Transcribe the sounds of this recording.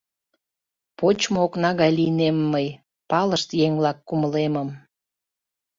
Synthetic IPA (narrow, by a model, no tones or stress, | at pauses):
pot͡ɕmooknɑɣɑjlinemːəj | pɑləʃt̪jeŋvlɑkːuməleməm